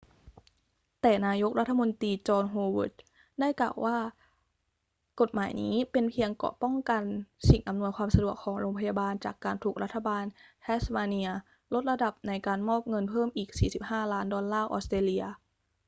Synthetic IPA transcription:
t̪ɛː˨˩naː˧jo˦˥k̚ɾʔa˦˥t̪ʰːa˧mo˧nt̪iː˧t͡ɕɔː˧nɦoː˧wɯ̰˦˩t̪̚ | da˥˩jkla̰ː˨˩wʔaː˥˩ | ko˨˩t̪̚maː˩˦jnḭː˦˥pe˧npʰi˧əŋkɔ̰˨˩pɔ˥˩ŋka˧nsi˨˩ŋʔa˧mnu˧əjkʰwaː˧msa˧du˨˩əkʰːɔː˩˦ŋɾoː˧ŋpʰa˧jaː˧baː˧nt͡ɕaː˨˩kːaː˧nt̪ʰuː˨˩k̚ɾa˦˥t̪ʰːa˧baː˧nt̪ʰɛː˦˥smaː˧ni˧ɐ | lo˦˥t̪̚ɾa˧da˨˩p̚na˧jkaː˧nmɔː˥˩p̚ŋɤ˧npʰɤː˥˩mʔiː˨˩k̚siː˨˩si˨˩p̚haː˥˩laː˦˥ndɔː˧nlaː˥˩ʔɔ̰ː˦˥st̪eː˧li˧ɐ

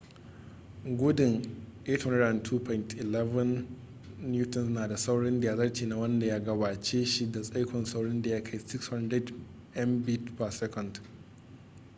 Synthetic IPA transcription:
ɡʷʊ˦dɪ˨ŋʔe˦thɔ˦nda˨ntʰuː˦pʰɔ˨ɪ˨ntʰʔɪ˨lɛ˦vɐ˦nː | juː˦tɔ˨nsnaː˨da˨sa˦wɽɪ˦nda˨ja˦zɐ˦rt͡ʃeː˨na˦wɐ˦nda˨ja˦ɡɐ˨baː˨t͡ʃeː˦ʃi˦da˨sʼa˦jkʷʰɔ˨nsa˦wɽɪ˦nda˨ja˦kʰa˦jsɪ˦kshɐ˦ndɾɛ˦d | ʔɛ˦mbi˦tpa˨sɛ˦kɔ˨nd

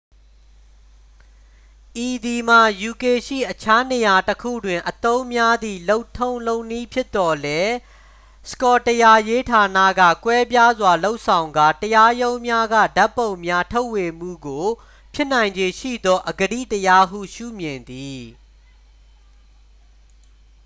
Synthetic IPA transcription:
ʔi˨d̪i˨m̥a˨ju˨ke˨ʃḭ˦˨ʔət͡ɕʰa˦ne˨ja˨təkʰṵ˦˨dwɪ̃˨ʔət̪õ˦ʊ̃mja˦d̪ðḭ˦˨lo˦ʊtʰõ˦ʊ̃lõ˦ʊni˦pʰjɪ˦t̪ːɔ˨lɛ˦ | sə̥kɔ˨təja˨je˦tʰa˨nä̰˦˨ɡä̰˦˨kwɛ˦pja˦zwa˨lo˦ʊʔsʰã˨ʊ̃ŋɡa˦˨təja˦jõ˦ʊ̃mja˦ɡä̰˦˨da˦pːõ˨ʊ̃mja˦tʰo˦ʊʔwe˨m̥ṵ˦˨ɡo˨ | pʰjɪ˦nã˨ɪ̃ɲd͡ʑe˨ʃḭ˦˨d̪ɔ˦ʔəɡəɾḭ˦˨təja˦ɦṵ˦˨ʃṵ˦˨mjɪ̃˨nd̪i˨

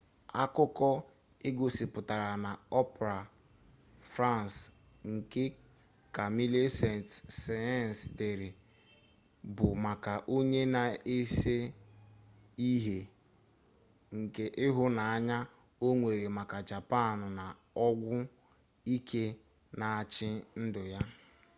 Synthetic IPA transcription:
a˦kʊ˦kɔ˦ | ɪ˦ɡo˨si˨pʊ˨ta˨ɾa˨na˨ɔ˦pɾa˨ | fɾa˦˨ns | ŋ̩˨ke˦ | ka˨mi˦le˦se˨ntːe˨˦n˨sde˨ɾɪ˨ | bʊ˨ma˨ka˨ʔo˦ɲe˦na˨e˦se˦ | i˦ɦe˨ | ŋ̩˨ke˨ʔɪ˦ɦʊ˦na˨a˦ɲa˦ | o˦ŋʷe˨ɾe˨ma˨ka˨d͡ʒa˨pa˦˨nʊ˨na˨ | ɔ˦ɡʷʊ˦ | i˦kʰe˦ | na˨t͡ʃɪ˦n̩˦dʊ˨ja˦

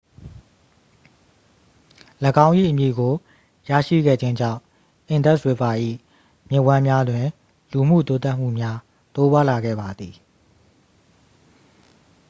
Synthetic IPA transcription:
ləɡã˦ʊ̃ʔḭ˦˨ʔə˨mjḭ˨ɡo˨ | ja̰˦˨ʃḭ˦˨ɡɛ̰˦˨d͡ʑɪ̃˦ɲd͡ʑã̰˦˨ | ʔɪ̃˨ndɛ˦ʔswe˨pa˨ʔḭ˦˨ | mjɪ̃˦˨wã˦mja˦dwɪ̃˨ | lu˨m̥ṵ˦˨t̪o˦t̪a˦ʔm̥ṵ˦˨mja˦ | t̪o˦bwa˦la˨ɡɛ̰˦˨ba˨d̪ði˨

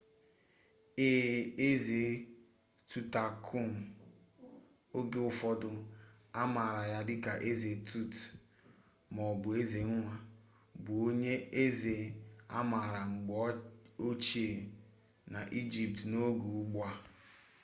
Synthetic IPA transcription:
e˦e˦ze˨ | tu˦ta˨kʰʊ˦ŋ˨ | o˦ɡe˦ʊ˦fɔ˦dʊ˦ | a˦ma˨ɾa˨ja˦dɪ˦ka˨ʔe˦ze˨tʰu˦t | mɔ˨bʊ˨e˦ze˨ŋ̩˦ŋʷa˦ | bʊ˨o˦ɲe˦e˦ze˨a̰˦ma˨ɾa˨ŋ͡m̩˨ɡ͡bo˦t͡ʃi˦e˨ | na˨ʔi˦d͡ʒi˨p̚tno˦ɡu˨˦ɡ͡bʷa˦

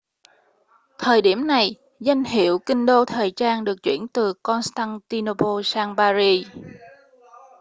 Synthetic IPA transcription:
t̪ʰəː˨˩jɗi˧˩əmna˨˩j | za˧jŋ̟hḭ˧˩˨əwkï˧ŋ̟ɗo˧t̪ʰəː˨˩jt͡ɕaː˧nɗɨ˨˩ək̚t͡ɕwḭ˧˩ənt̪ɨ˨˩kɔ˧nst̪aː˧nt̪i˧no˧po˧saː˧ŋɓaː˧zi˧

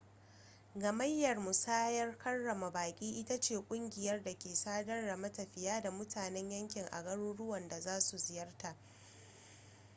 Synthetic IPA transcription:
ɡɐ˨mɐ˦jːɐ˨rmu˨saː˦jɐ˦rkʰɐ˦nːɐ˨ma˨baː˨kʲʼiː˦ʔɪ˦ta˦t͡ʃeː˨kʷʼʊ˦ŋɡʲɪ˨jɐ˦rda˨kʲeː˨saː˦dɐ˦nɽɐ˨mɐ˦tɐ˨ɸɪ˨jaː˦da˨mʊ˦tʰaː˨nɛ˦ɲjɐ˦ŋkʲɪ˨ŋʔa̰˨ɡɐ˦ɽuː˦ɽʊ˦wɐ˨nda˨zaː˦su˨zɪ˨jɐ˦rta˨ʔ

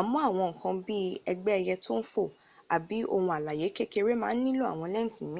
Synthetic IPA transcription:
a˨mũ˦a˦˨w̃ɔ̃˧ŋ̩˨kʰã˧bi˦ɛ˧ɡ͡bɛ˦ɛ˧jɛ˧to˦n̩˦fo˦˨ | a˨bi˨˦o˧hũ˧a˨la˨je˨˦ke˦ke˧ɾe˦mãː˦n̩˦nĩ˦lo˦a̰˦˨w̃ɔ̃˧lɛ˦n̩˦˨tĩ˨mĩ˦

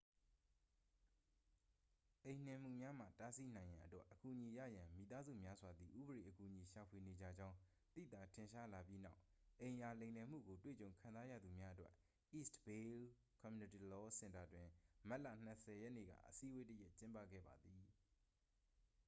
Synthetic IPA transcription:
ʔẽ˨n̥ɪ̃˨m̥ṵ˦˨mja˦m̥a̰˦˨ta˦si˦n̥ã˨ɪ̃jã˨ʔətwɛ˦ʔəku˨ʔəɲi˨ja̰˦˨jã˨mḭ˨t̪a˦zṵ˦˨mja˦zwa˨d̪i˨ʔu˦bəɹe˨ʔəku˨ʔɲi˨ʃa˨pʰwe˨ne˨d͡ʑa̰˦˨d͡ʑã˦ʊ̃ | t̪ḭ˦˨t̪a˨tʰɪ̃˨ʃa˦la˨pji˦na˦ʊʔʔẽ˨ɪ̃ʔa˨lẽ˨nɛ˨m̥ṵ˦˨ɡo˨twḛ˦˨t͡ɕõ˨ʊ̃kʰã˨za˦jä̰˦˨d̪u˨mja˦ʔətwɛ˦ʔ | ḭ˦˨stbe˦l | kʰɔ̃˨mju˦nɪ˦˨ti˨lɔ˦sɪ̃˦˨nta˨dwɪ̃˨ma˦ʔla̰˦˨n̥ə˨sɛ˨jɛ˦ʔnḛ˦˨ɡa̰˦˨ʔəsi˦we˦tə˦jɛ˦ʔt͡ɕɪ̃˦mpä̰˦˨ɡɛ̰˦˨ba˨d̪ði˨

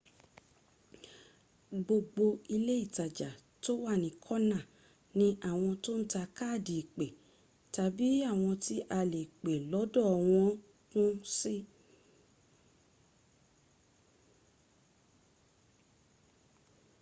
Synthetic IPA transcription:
ɡ͡bo˧ɡ͡bo˧i˧le˦i˦˨ta˨d͡ʒa˨ | to˦wa˦˨nĩ˨˦kʰɔ˦nã˦˨ | nĩ˦ʔa˦˨w̃ɔ̃˧to˦ñ̩˦ta˧ka˦˨di˨k͡pe˨ | ta˨˧bi˦a˦˨w̃ɔ̃˧ti˦ʔa˧le˨k͡pe˨lɔ˨˦dɔ˦˨w̃ɔ̃˧˦ | kũ˦si˦

